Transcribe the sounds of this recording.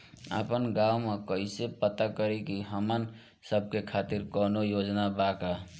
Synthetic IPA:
ə̰pənɡawmekəɦisepət̪akəɾikiɦəmən | səb̚ʱkekʰat̪iɾkɔnojod͡ʒnabaka

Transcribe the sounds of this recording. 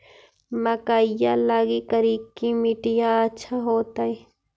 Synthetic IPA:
mɐkaːɪjalaːɡikɐɾikimiʈɪjaɐtːʃʰaɦoːt̪aːi

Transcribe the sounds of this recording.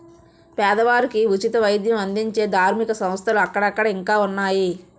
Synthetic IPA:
pɛːd̪ɐʋaːɾikiut͡ʃit̪ɐʋɐjd̪jɐmɐnd̪iɲt͡ʃe̞ːd̪ʱaːɾmikɐsɐm̃st̪ʰɐluɐkːɐɽɐkːɐɽɐiŋkaːunːaːji

